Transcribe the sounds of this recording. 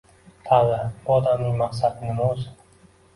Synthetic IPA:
t̪ʰalːabʊɒd̪amnɪŋmaqsad̪nɪmʊz

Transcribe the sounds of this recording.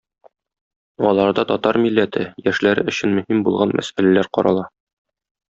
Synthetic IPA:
ɒlˠɑɾd̪ɑt̪ɒt̪ɑɾmilːæt̪ʰɘjæʃlæɾɘɵ̆ɕɘnmɵ̆himbulˠʁɑnmʔæ̰sælælæɾqɒɾɑlˠɑ

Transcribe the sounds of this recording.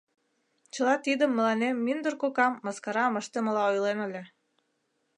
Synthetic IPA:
t͡ɕə̆lɑt̪id̪ə̆mːə̆lɑnemːind̪urkokɑmːɑskɑɾɑməʃt̪ə̆mə̆lɑojlenə̆lʲe

